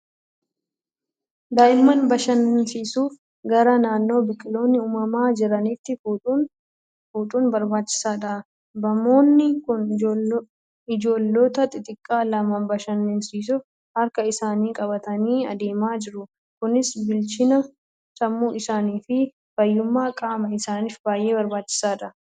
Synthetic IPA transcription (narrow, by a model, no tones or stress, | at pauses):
d̪aːʔɪmːɐnbɐʃɐnhɪnsiːsuːf | ɡɐɾɐnaːnːo̞ːbɪkʼɪlo̞ːnːɪʊːmɐmaːd͡ʒɪɾɐnɪt̪ːɪfu | fuːt̪ʼuːnbɐɾbaːt͡ʃːɪ̥saːᶑɐ | bɐmo̞ːnːɪkʊn | ɪd͡ʒo̞ːlːoːt̪ɐt̪ʼɪt̪ʼɪkʼːaːlɐmɐmbɐʃɐnɪnsiːs̬ʊf | hɐɾkɐɪsaːniːkʼɐbɐt̪ɐniːɐ̰d̪eːmaːd͡ʒɪɾʊ | kʊnɪsbɪlt͡ʃɪnɐ | sɐmːuːɪsaːniːfɪ | fɐjːʊmːaːkʼaːmɐɪsaːniːfbaːjʔe̞ːbɐɾbaːt͡ʃːɪ̥saːᶑɐ